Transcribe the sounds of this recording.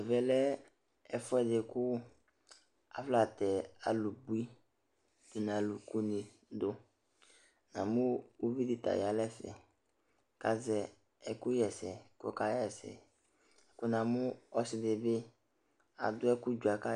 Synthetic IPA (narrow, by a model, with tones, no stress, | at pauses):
ɛ˨vɛ˨lɛ˦ | ɛ˨fɔ˦ɛ˨de˨kʊ˦ | a̰˨fla˨t̪ɛ˨a̰˨lu˨bu˨˦i˦ | d̪̥o˨n˨a˨lu˨ku˦ni˨ | d̪o˦ | nã̰˨mu˦wu˦vi˦d̪i˨t̪a̰˨ja˨lɛ˦fɛ̰˨ | ka˦zɛ˨ | ɛ˨kʊ˦jɛ˨sɛ˨kɔ̰˨ka˦jɛ˨sɛ̰˨ | ɛ˨kʊ˦nã˨mʊ˦ɔ˦sɪ˨dɪ˨bɪ˦ | a̰˨d̪ʊ˦ɛ˦kʊ˦d͡ʒu˨a˨ka˦